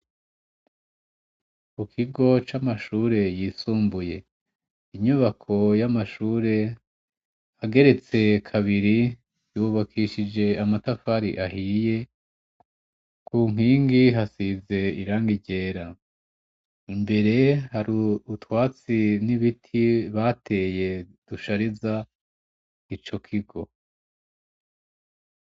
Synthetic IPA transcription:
kukʰiɡo̞t͡ʃamaʃuːɾe̞jiːsuːmbuje̞ | iɲuβakʰo̞jamaʃuːɾe̞ | haɡe̞ɾe̞t͡se̞kʰaβiɾi | juβakʰiʃid͡ʒe̞amatafaɾḭʔahije̞ | kʰuːŋ̥iːŋɡiɦasize̞iɾaːŋɡiɟe̞ːɾa | imbe̞ɾe̞haɾiutwaːt͡siniβitʰiβatʰe̞ːje̞d̥uʃaɾiza | it͡ʃo̞kʰiɡo̞

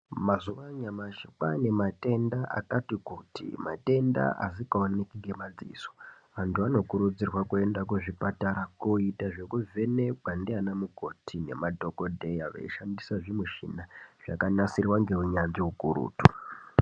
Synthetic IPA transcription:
mazuʋaɲamaʃikane̞mate̞ndaʔa̰katikutḭmate̞nda̰ʔa̰sikaonekiɡʱe̞mad͡zḭːso̥ | ʋantʰuano̞kuɾud͡zirwakue̞ndakwuʐipataɾakoitaʐe̞kuve̞ne̞kwandianamuko̞tʰine̞̰madʱo̞ko̞dʱe̞jaʋḛiʃandisaʐimuʃḭnaʐ̥akanasirwaŋɡe̞ɦuɲanʐiɦukuɾṵːtu

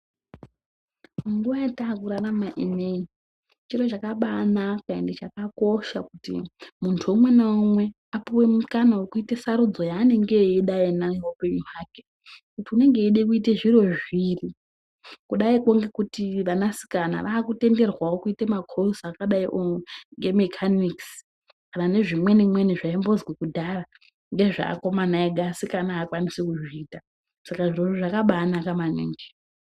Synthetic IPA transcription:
ŋɡuʋajataːkuɾaramaʔinei | t͡ʃiro̞t͡ʃakaɓanakaḛndet͡ʃakako̞ʃakutḭmuntʰuumwe̞naumwe̞ | apuwe̞mukanawekuite̞saɾud͡zo̞jaːne̞ŋɡe̞iɗainaiopeɲijaːke̥ | kutiune̞ŋɡe̞iɗekuite̞ʐiro̞ʐiri | kuɗaikoŋɡe̞kutiʋanasi̥kana̰ʋaːkute̞nde̞rwawo̞kuitemakʰorusakaɗaiʔoŋɡemekʰaniks | kanane̞ʐimwe̞nimwe̞niʐaimbo̞zɡwekudʱara | ŋɡe̞ʐa̰ːko̞manaeɡʱasikanaːkwanisikuʐiiːta | sakaʐiro̞riʐakaɓaːnakamanḭːŋɡe

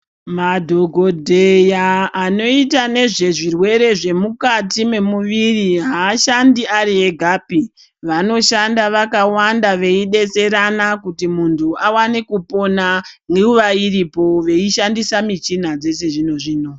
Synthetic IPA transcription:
madʱoɡʱo̞dʱejaːno̞itane̞ʐe̞ʐirwe̞ɾe̞ʐe̞mukatime̞muʋiriɦaːʃandiaɾie̞ɡʱaːpi | ʋano̞ʃandaʋakawandaʋe̞iɗe̞t͡se̞ɾanakutimuntʰuawanekupo̞naŋɡeuʋaiɾipo̞ʋe̞iʃandisamit͡ʃin̤ad͡ze̞se̞ʐino̞ʐiːno̞

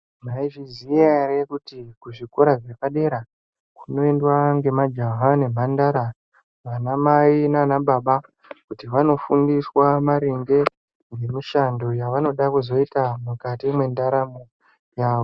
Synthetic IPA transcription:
maiʐizijarekutikuʐiko̞ɾaʐe̞paɗe̞ɾa | kuno̞endwaŋɡe̞mad͡ʒaɦane̞m̤andaɾa | ʋanamainaanaɓaɓa | kutiʋano̞fundiswamaɾiŋɡe̞ | ŋɡe̞miʃando̞jaʋano̞ɗakuzo̞itamukatimwe̞ndaɾamo | jaʋo

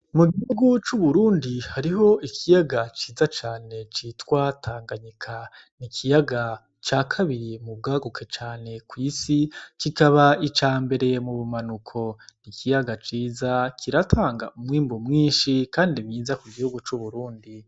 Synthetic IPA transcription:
muɡihuɡut͡ʃuβuɾuːndihaɾiɦo̞ikʰijaɡat͡ʃiːzat͡ʃaːne̞t͡ʃitwatʰaːŋɡaɲikʰa | nikʰijaɡa | t͡ʃaːkʰaβiɾimub̚ɡaːɡokʰet͡ʃaːne̞kwiːsikikaβait͡ʃaːmbe̞ɾe̞muβumanukʰo̞nikʰijaɡat͡ʃiːzakʰiɾatʰaːŋɡa̰ʔumŋiːmbomŋiːnʃikaːndiβjiːzakuɡihuɡut͡ʃuβuɾuːndi

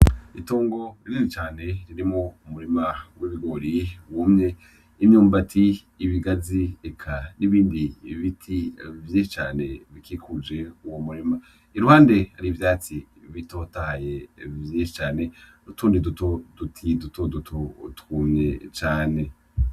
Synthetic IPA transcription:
itoːŋɡo̞ɾiɾizit͡ʃaːne̞ɾiɾimŋoumuɾimawʔiβiɡo̞ɾiwumɲe̞ | imɲuːmbatʰiː | βiɡaziekʰaniβiːndiβitʰivjiʃit͡ʃaːne̞βikʰikʰud͡ʒe̞uwomuɾima | iɾuhaːnde̞haɾiivjaːt͡si | βito̞ːtahajevjiːʃi̥t͡ʃaːne̞nutuːndidutodutʰidutodutʰotkumɲe̞t͡ʃaːne̞

